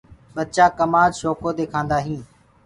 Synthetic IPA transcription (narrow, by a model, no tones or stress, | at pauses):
ɓəd̪̚t͡ʃaːkəmaːd͡ʒʃoːkoːd̪eːkʰãːnd̪aːɦĩː